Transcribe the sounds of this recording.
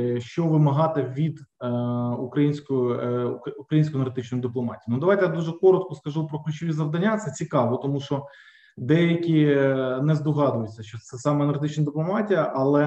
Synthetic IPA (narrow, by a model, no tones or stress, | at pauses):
ʃt͡ʃɔʋɪmɐɦɑt̪ɪʋʲid̪ | ukɾɐjinʲsʲkɔjʊukɾɐjinʲsʲkɔjnɐɾɦt̪ɪt͡ʃnɔjʊd̪ɪplˠɔmɑtʲiinud̪ɐʋɑjt̪ɛjad̪uʒɛkɔɾɔt̪kɔskɐʒupɾɔklʲʉt͡ʃɔʋʲizɐʋd̪ɐnʲːat̪sɛt͡sʲikɑʋɔt̪ɔmuʃɔ | d̪ɛjɐkʲinɛzd̪ɔɦɑd̪ʊjʊt͡sʲːɐʃt͡ʃɔt̪sɛsɑmɛɐnɐɾrɦt̪ɪt͡ʃʲnɐd̪ɪplˠɔmɑtʲijɐʔɐlˠɛ